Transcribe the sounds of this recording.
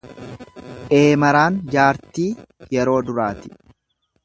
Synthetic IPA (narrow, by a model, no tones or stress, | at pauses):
ʔe̞ːmɐɾaːnd͡ʒaːɾt̪iːjɛɾo̞ːd̪ʊɾaːt̪ɪ̥